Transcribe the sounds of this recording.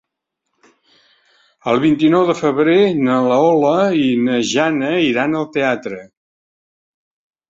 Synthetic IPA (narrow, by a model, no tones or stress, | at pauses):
əlˠβint̪inɔwðəfəβɾenələɔləinəʒanəiɾanəlˠt̪eat̪ɾə